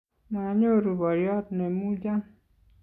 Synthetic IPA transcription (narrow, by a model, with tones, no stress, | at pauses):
ma˨ɲo˦ɾu˨bɔ˨ɾjɔ˦t̪ne˨mu˦d͡ʒa˦